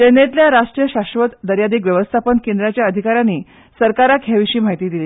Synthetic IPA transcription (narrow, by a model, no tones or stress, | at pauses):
t̪enet̪ljaɾaʂʈɾijəɕaɕʋət̪d̪əɾjad̪iːk̬ʋjəʋəst̪ʰapənkend̪ɾjat͡ɕjaəd̪ʱikaɾjanːiː | səɾkaɾakʰjaʋiɕiːm̤aɦit̪iːd̪ili